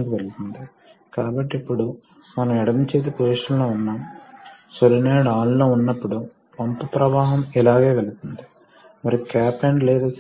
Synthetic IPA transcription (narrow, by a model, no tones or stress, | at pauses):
ŋkiʋelut̪und̪i | kaːbɐʈːiipːuɽu | mɐnɐmɛɽɐmt͡ʃeːt̪̬ipoːsʂɐnloːunːaːm | soɾineːɽaːllo̞ːunːɐpːuɽu | pɐnp̪upɾɐʋaːɦɐmilaːɡeːʋeɭit̪und̪i̥ | mɐɾikaːpeɳɖlɛːd̪aː